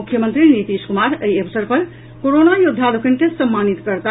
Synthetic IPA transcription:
ukʰːjəmənt̪ɾinit̪iskumaɾəjebsəɾpəɾ | koɾonajud̪ʱːalukəɳʈesʈsəmːanit̪kəɾt̪a

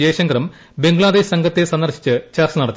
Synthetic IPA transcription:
eːɕɐŋɡɐɾɐm | be̞ŋɡɭaːd̪eːɕsɐŋɡʱɐt̪ːesɐnd̪ɐrɕi̥t͡ɕːɨt͡ɕɐrt͡ɕɐnɐɽɐt̪ːi

